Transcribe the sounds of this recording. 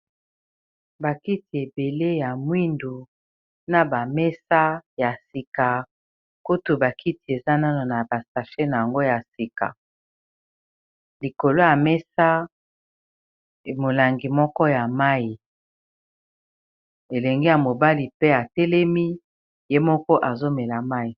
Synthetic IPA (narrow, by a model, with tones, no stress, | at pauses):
ba˨ki˦ti˨e˨be˨le˦ja˨mwi˦ndu˨ | na˨ba˨mɛ˦sa˦ja˨si˨ka˨ | ku˦tu˨ba˨ki˦ti˨e˨za˦na˦no˨na˨ba˨sa˨fe˦na˨ja˨ŋɡo˦ja˨si˨ka̰˨ | li˨ko˨lo˦ja˨mɛ˦sa˦˨ | mo˨la˨ŋɡi˨mɔ˦kɔ˦ja˨ma˦ji˨ | e˨lɛ˨ŋɡi˦ja˨mo˨ba˦li˨pe˦a˨tɛ˦lɛ˦mi˦ | je˦mɔ˦kɔ˦ʔa˨zo˦mɛ˨la˨ma˦i˨